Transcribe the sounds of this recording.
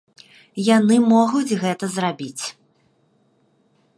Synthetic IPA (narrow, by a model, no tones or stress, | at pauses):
janɨmɔɣud͡zʲɣɛt̪ɐzrabʲit͡sʲ